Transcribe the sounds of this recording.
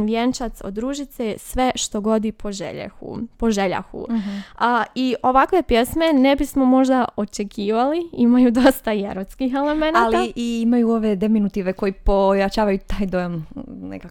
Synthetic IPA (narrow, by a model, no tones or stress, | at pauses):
ʋjent͡ʃat̪sod̪ːɾuːʒit̪sesʋe̞ʃt̪o̞ɡo̞d̪ipʰo̞ʒḛʎa̰xṵpo̞ʒe̞ʎa̰xṵ | iʔo̞ʋakʋe̞pje̞sme̞ne̞bismo̞mo̞ʒd̪aʔo̞t͡ʃe̞kʰiːʋaliimajud̪o̞st̪ajḛɾot̪skixele̞menalaiʔiimajuo̞ʋe̞d̪eminut̪iʋe̞ko̞jipojat͡ʃaːʋajut̪aːjd̪o̞jamnḛkak